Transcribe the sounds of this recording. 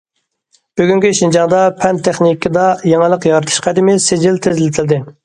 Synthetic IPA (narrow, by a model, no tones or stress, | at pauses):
b̥yɡʲyŋkʲiʃind͡ʒɑŋd̪ɑpʰɛnt̪ʰːeχnikːɪd̪ɑjeŋɨlˠəqjɑɾɨt̪ʰu̥ʃqʰæd̪ɪmɪsed͡ʒɪlt̪ʰɪzlɪt̪ʰɪld̪ɪ